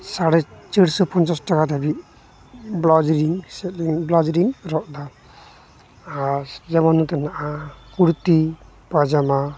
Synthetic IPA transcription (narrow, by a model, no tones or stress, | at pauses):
saɽɛt͡ʃəɽsɔpɔnt͡ʃasʈakat̪ɛbi | blɔd͡ʒɾiŋsɛt̪iŋblad͡ʒɾiŋɾɔʔd̪a | ɾd͡ʒɛmanut̪ɛnaʔakuɽt̪i | pad͡ʒama